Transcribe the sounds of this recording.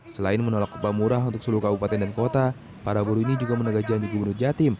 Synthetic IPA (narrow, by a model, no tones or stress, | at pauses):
səlaɪnmənolakːpamuɾaɦunt̪ʊksuluhukabupat̪ɛndankot̪a | paɾabuɾuinid͡ʒuɡamənəɡahd͡ʒaandiɡubənʊrd͡ʒat̪ɪm